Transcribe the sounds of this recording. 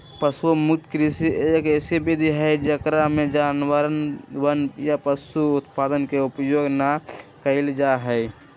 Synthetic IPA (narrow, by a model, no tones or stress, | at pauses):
pəsumutkɾisiekɛsibid̪ʱiɦəd͡ʒəkɾamẽd͡ʒaːnwəɾənwənjapəsuʊt̪paːd̪ənkeʊpjoːɡnakəɪld͡ʒaɦəɪ